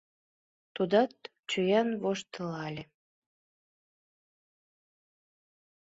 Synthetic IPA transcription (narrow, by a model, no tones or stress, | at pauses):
t̪ud̪ɑt̪ | t͡ɕyjænβoʃt̪əlɑlʲe